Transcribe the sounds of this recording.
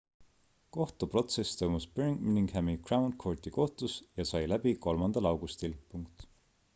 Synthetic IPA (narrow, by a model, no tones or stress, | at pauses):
ko̞ht̪upro̞t̪se̞st̪o̞jmuspyɾiŋɡminiŋɡhæmikrɑwnkʰo̞rt̪ʲiko̞ht̪usjɑsɑjlæb̥iko̞lmɑnd̪ɑlɑwɡ̥ust̪ilpuŋkt̪